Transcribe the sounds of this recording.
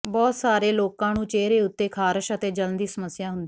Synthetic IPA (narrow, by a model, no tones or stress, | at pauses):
bɔːt̪saːɾeːloːkãːnũːt͡ʃeːɾeːʊt̪ːeːkʰaːɾəʃət̪eːd͡ʒələnd̪iːsəməsːɪjaːɦʊnd̪iː